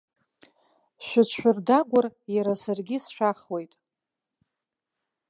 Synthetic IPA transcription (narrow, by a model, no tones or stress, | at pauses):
ʃʷat͡ʃʷʰʃʷᶣʊrdaɡʷʊrjaɾasarɡʲisʃᶣaχwe̞jtʼ